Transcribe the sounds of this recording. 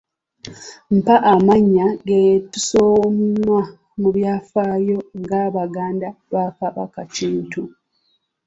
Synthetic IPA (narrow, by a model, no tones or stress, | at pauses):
m̩paʔamaɲːaɡetusomnwa | muβjaːfaːjo̞ŋɡaβaɡaːndaβakaβa̰kaciːntu